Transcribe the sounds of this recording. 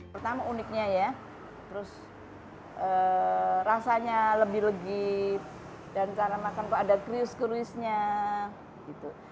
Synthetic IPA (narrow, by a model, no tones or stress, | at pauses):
ərt̪amaunɪk̚ɲaja | t̪əɾʊs | ʔə | rasaɲaləbɪɦləɡɪp̚ | dant͡ʃaɾamakankaːdakɾiʊskəɾuɪsɲa | ɡit̪u